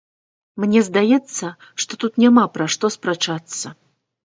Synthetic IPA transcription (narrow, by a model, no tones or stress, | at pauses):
mnʲɛzd̪ajɛt̪sːɐ | ʂt̪ɔt̪ut̪nʲamapɾaʂt̪ɔspɾat͡ʂat̪sːɐ